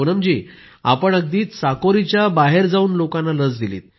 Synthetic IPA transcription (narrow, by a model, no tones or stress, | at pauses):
onəmd͡ʑiː | a̰pəɳəɡ̚d̪iːt̪sakoɾit͡ɕjabaɦeɾd͡zauːnlokãnːaləd͡zd̪ilḭːt̪̚